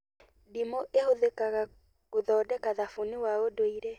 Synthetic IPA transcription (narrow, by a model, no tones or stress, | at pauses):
dimoʔehoðekaɣa | koðɔːdɛkaðafuniwaodoiɾɛ